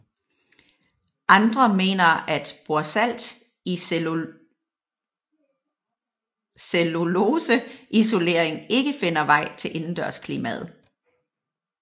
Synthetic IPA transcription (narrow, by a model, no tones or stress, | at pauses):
ʔɑ̈nd̥ʁɐme̝̰ːnɐæd̥b̥oɐsæl̰d̥ | i | selo̝loːsəʔiso̝le̝̰ːɐeŋe̝ɡ̥əfe̝n̰ɐʋɑ̈ɪ̰t͡sʰe̝lʔe̝nn̩d̥ɶɐ̰skʰliːmæ̰ð̩ˠ